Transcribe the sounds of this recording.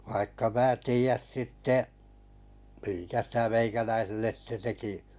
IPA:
ʋɑikːɑ mæː tiːæs sitːeʔ miŋkæ sitæ meikælæiselːes sĭte teki

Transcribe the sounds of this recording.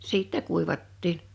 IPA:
siˑtːɛ kuiʋɑtːin

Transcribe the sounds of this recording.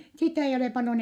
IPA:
sitæ eij oleˑ pɑljon

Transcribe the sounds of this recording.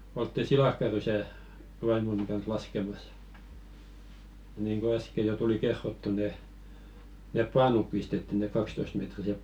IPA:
oltːi silɑkːɑrysæˑ ʋɑimoni kɑns lɑskemɑs niːŋko æske jo tuli kerːotːu ne nep pɑːnup pistetːi ne kɑkstoistmetrisep

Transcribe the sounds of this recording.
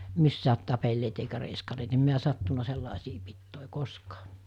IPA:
misːæːt tɑpelːeːt eikæ reiskɑneːt em miæ sɑtːunɑ selːɑˑesiː pitːoˑe koskɑː

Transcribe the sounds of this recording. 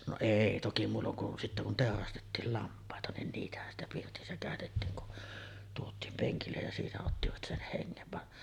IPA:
no eˑi toki muːlːoŋ kun sitːæ kun teˑorɑstetːiːl lɑmpˑɑˑetɑ nin niːtæhæn stæ pirtisːæ kæˑøtetːiːŋ kun tuotˑiːm peŋkilːej jɑ siːnæ otːiʋɑt sen heŋːeʋ ʋɑn

